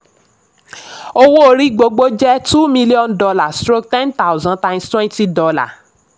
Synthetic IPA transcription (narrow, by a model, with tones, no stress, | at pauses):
o˦wo˦o˧ɾi˦ɡ͡bo˧ɡ͡bo˦d͡ʒɛ˦tu˦mĩ˧li˦ɔ̃˦˨ndɔ˧la˨stɾo˦k̚tɛ̃˦nta˦wzã˨tã˧j̃mstwɛ̃˦nti˦dɔ˧la̰˦˨